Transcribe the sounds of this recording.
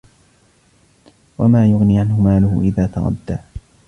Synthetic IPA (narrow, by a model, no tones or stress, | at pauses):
wamaːjʊɣniːʕanhʊmaːlʊhʊ̰ʔɪðaːt̪ɑɾˤɑ̰d̪ːaː